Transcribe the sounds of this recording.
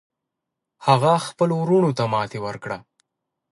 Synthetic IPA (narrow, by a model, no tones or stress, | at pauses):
haɣaxpəloɾuɳot̪amɑt̪ewəɾkɽa